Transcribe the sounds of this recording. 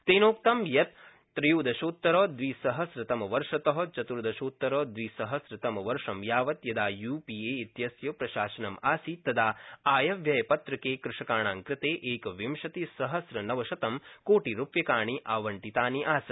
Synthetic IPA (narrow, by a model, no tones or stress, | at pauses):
t̪eːnoːkt̪ɐmjɐt̪ː | ɾɐjuːd̪ɐʃuːt̪ːɐɾoːd̪ʋisɐɦɐsɾɪt̪ɐmɐʋɐɾʂɐt̪ɐɦɐt͡ʃɐt̪uɾd̪ɐʃuːt̪ːɐɾoːd̪ʋisɐɦɐsɾɪt̪ɐmɐʋɐɾʂɐmjaːʋɐt̪jɐd̪aːjuːpieːit̪jɐsjɐpɾɐʃaːʃɐnɐmaːsit̪ːɐd̪aːaːjɐʋjɐjɐpɐt̪ɾɐkeːkɾɪʂɐkaːɳaːŋkɾɪt̪eːʔeːkɐʋimʃɐt̪isɐɦɐsɾɐnɐʋɐʃɐt̪ɐmkoːʈiɾupjɐkaːɳiʔaːʋɐɳʈit̪aːniʔaːsɐ